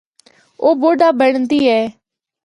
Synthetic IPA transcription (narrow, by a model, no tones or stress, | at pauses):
oːboːɖaːbɛːɽənd̪iːɛː